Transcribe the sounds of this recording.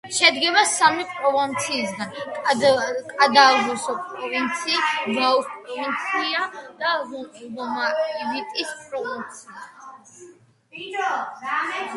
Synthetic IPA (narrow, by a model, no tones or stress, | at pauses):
ʃɛd̪ɡɛbasamipʼɾɔvint̪sʰiːsɡankʼkʼad̪aʁɔsɔpʼɾɔvint̪sʰiːsɡauspʼɾɔvint̪sʰiad̪̥aɔmabit̪ʼispʼɾɔvint̪sʰia